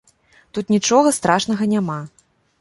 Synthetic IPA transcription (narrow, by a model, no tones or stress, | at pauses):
t̪ut̪nʲit͡ʂɔɣɐst̪ɾaʂnɐɣɐnʲama